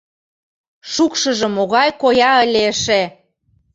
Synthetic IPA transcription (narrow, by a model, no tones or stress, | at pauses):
ʃukʃə̆ʒə̆moɣɑjkojɑəlʲeəʃe